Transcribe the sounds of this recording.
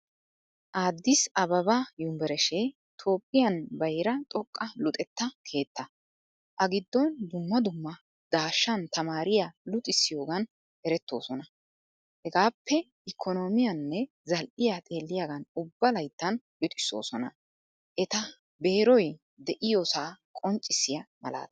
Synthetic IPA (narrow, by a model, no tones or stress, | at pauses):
ʔaːd̪ːɪsɐbɐbɐjʊmbɛɾɛʃe | t̪ʰo̞ːpʼːɪjɐnbɐjɾɐt̪ʼɔkʼːɐlʊt̪ʼɛt̪ːɐkʰe̞ːt̪ːɐ | ʔɐɡɪd̪ːɔnd̪ʊmːɐd̪ʊmːɐ | d̪̥aːʃːɐnt̪ɐmaːɾɪjalʊt̪ʼɪsːɪjo̞ːɡɐn | ɛɾɛt̪ːo̞ːsɔnɐ | hɛɡaːpːɛ | ʔɪkʰːɔno̞ːmɪjɐnːɛ | zɐlʔɪjat̪ʼe̞ːlːɪjaɡɐnʊbːɐlɐjt̪ːɐn | jʊt̪ʼɪ̥sːo̞̰ːsɔnɐ̰ | ʔɛt̪ɐ | be̞ːɾɔj | d̪ɛʔɪjosaːkʼɔnt͡ʃʼːɪsɪjɐmɐ̰la̰ːt̪ɐ